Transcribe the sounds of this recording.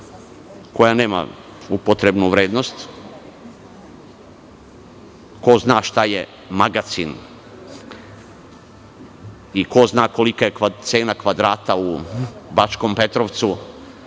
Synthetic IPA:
ko̞jane̞ːma̰ | upot̪ɾebnuʋɾeːd̪no̞st̪ | ko̞znaːʃt̪aje | maɡat̪sin | iko̞znaːko̞likajekat̪se̞ːnakʋad̪ɾaːt̪aubat͡ʃko̞mpe̞t̪ɾoʋt̪su

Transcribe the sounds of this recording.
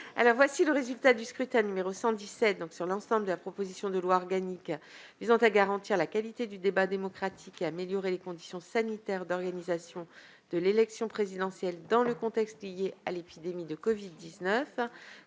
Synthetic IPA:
a̰lɔʁvwasiləʁezylt̪ad̪yskχyt̪ɛ̃nymeʁosɑ̃d̪isɛt̪̚d̪ɔ̃ksyʁlɑ̃sɑ̃bləd̪əlapχɔpozisjɔ̃d̪əlwaɔʁɡanikvizɑ̃t̪aɡaʁɑ̃t̪iʁlakalit̪ed̪yd̪ebad̪emɔkχat̪ʰikeameljɔʁelekɔ̃d̪isjɔ̃sanit̪ɛʁd̪ɔʁɡanizasjɔ̃ | d̪̥əlelɛksjɔ̃pχezid̪ɑ̃sjɛld̪ɑ̃ləkɔ̃t̪ɛkst̪lijealepid̪emid̪əkɔvid̪ːiznœf

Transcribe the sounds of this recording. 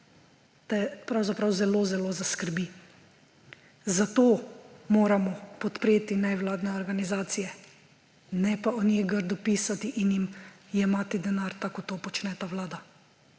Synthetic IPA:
t̪ɛpɾawzapɾawzɛlozɛlozaskəɾbi | zat̪oːmoːɾamɔpɔt̪pɾeːt̪inɛwlaːd̪nɛɔɾɡanizaːt̪sijɛ | nɛpaɔnjeɡəɾd̪ɔpiːsat̪iʔinjimjɛmaːt̪id̪ɛnaɾt̪akɔt̪opɔt͡ʃnɛt̪awlaːd̪a

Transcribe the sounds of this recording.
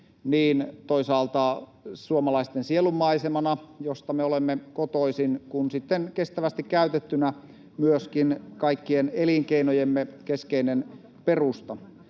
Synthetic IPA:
niːnt̪oisɑːlt̪ɑsuomɑlɑist̪ensielumːɑisemɑnɑjost̪ɑmeolemːekot̪oisinkunsit̪ːenkest̪æʋæst̪ikkæyt̪et̪ːynæ | myøskinkɑikːieneliŋkeinojemːekeskeinen | perust̪ɑ

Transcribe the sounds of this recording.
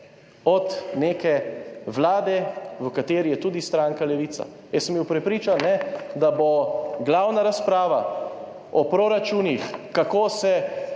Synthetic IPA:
ɔt̪neːkɛʋlaːd̪ɛʋəkat̪eːɾijɛt̪uːd̪ist̪ɾaːŋkalɛʋiːt̪sa̰ | jɛsmbiwpɾɛpɾiːt͡ʃanːɛd̪aboɡlaːwnaɾaspɾaːʋa | ɔpɾoɾat͡ʃuːnixkakoːsɛ

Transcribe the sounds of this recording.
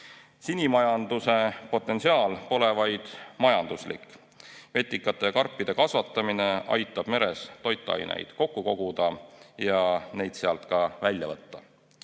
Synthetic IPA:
sinʲimɑjɑnd̪̥use̞po̞t̪ːˑe̞nsiɑːlpo̞le̞vɑjd̪̥mɑjɑnd̪̥uslḭkːˑ | ve̞t̪ˑːikːˑɑt̪ːˑekɑrpˑːid̪̥e̞kɑsvɑt̪ːˑɑmine̞ʔɑ̰jt̪ːˑɑb̥me̞ɾe̞st̪o̞jt̪ːˑɑ̰jnḛjd̪̥ko̞kːuko̞ɡ̥ud̪̥ɑjɑne̞jd̪̥seɑlt̪ˑkɑvælʲːjɑvɤt̪ːɑ

